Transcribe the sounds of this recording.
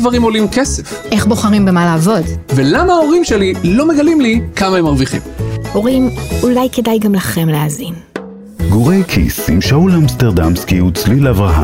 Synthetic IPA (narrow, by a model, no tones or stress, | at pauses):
dvaʁimolimkesefʔe̞χbo̞χaʁimbe̞maleːvo̞dvelamao̞ʁimʃelilomeɡalimlikamaemaʁviχḭmo̞ʁimulajke̞dajɡamlaχe̞mleazin | ɡuʁejkʰḭsimʃauleamsteʁd̪amskiut͡slileavʁaɦa̰